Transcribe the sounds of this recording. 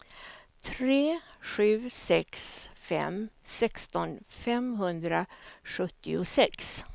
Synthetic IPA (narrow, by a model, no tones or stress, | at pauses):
t̪ʰɾeːɧʉ̟ːsɛksfɛ̰msɛkst̪ɔnfɛmɦɵnd̪ɾaɧɵt̪ːɪʊsɛks